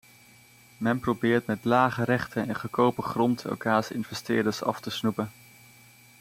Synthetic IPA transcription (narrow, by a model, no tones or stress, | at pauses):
mɛnprowbɪːɹtmɛtlaːχəɾɛχtʰənɛnχəkowpəχrɔntɛ̰lkaːsɪ̰nvɛstɪːdəɹsɑ̰ftəsnupən